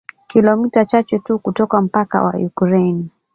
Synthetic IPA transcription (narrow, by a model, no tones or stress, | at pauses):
kilɔmitat͡ʃat͡ʃɛtukutɔkam̩paka̰wa̰jukɾen